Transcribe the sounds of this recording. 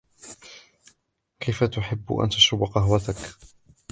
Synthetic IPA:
kʰajfat̪ʊħɪb̰ːʔa̰nt̪aʃʊbaqɑɦwat̪ak

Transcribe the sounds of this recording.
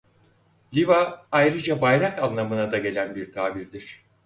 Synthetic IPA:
lʲivaajɾɯd͡ʒabajɾakanˠlˠamɯnad̪aɟe̞lʲænbiɾt̪ʰaːbiɾd̪iɾ̥

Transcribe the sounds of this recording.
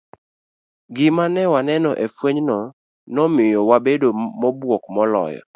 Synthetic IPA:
ɡɪmanɛwanɛnɔʔefweɲnɔ | nɔmɪjɔwabedomɔbwɔkmɔlɔ̰jɔ̰

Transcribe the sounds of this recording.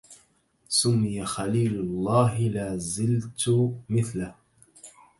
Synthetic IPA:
sʊmːɪjaxaliːlʊlˤːɑːɦɪlaːzɪlt̪ʊmɪθlah

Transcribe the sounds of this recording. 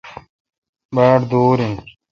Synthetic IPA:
baːʈd̪oːɾĩː

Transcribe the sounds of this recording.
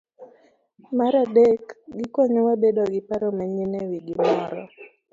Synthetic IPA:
maɾadekɡɪkwɔɲɔwabedoɡɪpaɾɔmɛɲinewiɡɪmɔɾɔ

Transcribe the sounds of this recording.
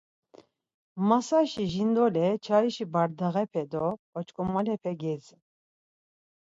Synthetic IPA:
masaʃiʒind̪ɔlɛt͡ʃʰaɾiʃibaɾd̪aɣɛpʰɛd̪ɔɔt͡ʃkʼɔmalɛpʰɛɡɛd͡zi

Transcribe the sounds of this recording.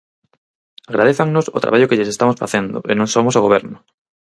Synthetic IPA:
aɣɾaðeθaŋnoso̰t̪ɾa̰βaʎokɪʎɪsest̪amosfa̰θend̪ʊ̰ʔḛnõŋsomosoɣoβɛɾnʊ

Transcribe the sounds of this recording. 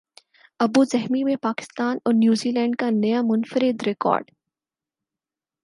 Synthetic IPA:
ɐbuzɛɦmimẽpaːkɪ̥st̪aːnɔːɾnjuːziːlɛ̃ːɳɖkanɐjamʊnfəɾɪd̪ɾɪkɔ̰ːɾɖ

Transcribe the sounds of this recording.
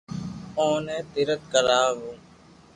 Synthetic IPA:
oːneːt̪ɪɾət̪̚kəɾaːɦoː

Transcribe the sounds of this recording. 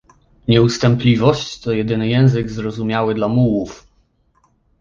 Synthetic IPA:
ɲɛust̪ɛmplʲivɔɕt͡ɕt̪ɔjɛd̪ɘnɘjɛ̃w̃zɘɡzɾɔzumʲjawɘd̪lamuwuf

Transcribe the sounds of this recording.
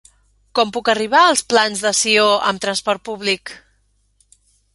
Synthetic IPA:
kɔmpukəriβ̞aəlˠsplanzðəsioʔəmt̪ɾənspɔrt̪̚puβlik

